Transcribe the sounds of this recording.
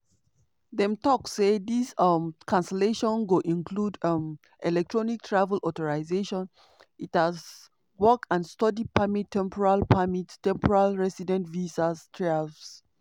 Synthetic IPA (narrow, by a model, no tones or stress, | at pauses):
dɛ̃mtɔksedisɔmkʰãnsɛleʃɔ̃nɡoʔĩnkʰludam | ʔɛlɛk̚tʰɹɔnik̚tʰɹavəlɔtɔɹaɪzeʃɔ̃n | ithaz | wɔkãnstɔdipʰamitʰːɛ̃mpʰɔɹalpʰamittɛ̃mpʰɔɹalɹɛsidɛ̃ntvisastʰɹaalfs